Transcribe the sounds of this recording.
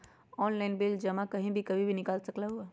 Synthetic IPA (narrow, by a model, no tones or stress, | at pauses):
ɔːnlaɪnbɪld͡ʒɐmakɐɦĩbʱikɐbʱibʱinɪkaːlsɐklaɦuaː